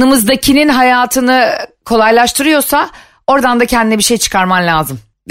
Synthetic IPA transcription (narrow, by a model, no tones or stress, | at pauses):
ɯmɯzd̪acʰininɦajaːt̪ʰɯnɯkʰo̞lˠajlˠaʃt̪ʰɯɾɯjo̞ɾsa | o̞ɾd̪and̪acʰɛnd̪inɛbiʃe̞jt͡ʃʰɯ̥kʰaɾmamlʲaːzɯm